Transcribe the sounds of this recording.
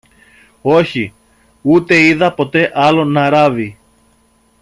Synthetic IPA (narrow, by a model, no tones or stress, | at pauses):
o̞çi | ut̪e̞iðɐpo̞t̪e̞ʔɐlo̞nɐɾɐvi